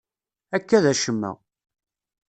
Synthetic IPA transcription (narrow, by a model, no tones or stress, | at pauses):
ækːæðæʃəmːæ̰